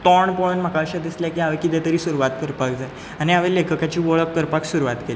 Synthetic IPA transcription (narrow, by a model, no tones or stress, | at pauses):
t̪ɔɳpɔnm̤akaɕad̪isljakiːaʋekid̪et̪əɾiːsuɾuʋat̪kəɾpakd͡zal | aniaʋelekʰəkat͡ɕiːʋɔɭəp̚kəɾpaksuɾuʋat̪keli